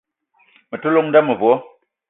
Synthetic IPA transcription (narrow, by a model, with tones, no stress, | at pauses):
mə˨tu˦lo˦˨ŋn˦da˦mə˨vwɔ˦